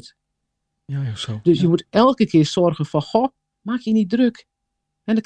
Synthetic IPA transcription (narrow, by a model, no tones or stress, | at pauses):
t | d̥øsjəmutɛlˠkəkʰɪəsɔrɣənfɔxo | maːkʰjənit̚drøk | hɛndɔ